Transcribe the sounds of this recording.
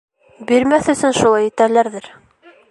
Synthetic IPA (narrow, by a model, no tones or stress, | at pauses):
biɾmæθɵ̆sɵnʃulˠɑjɘ̆t̪ælæɾðɘɾ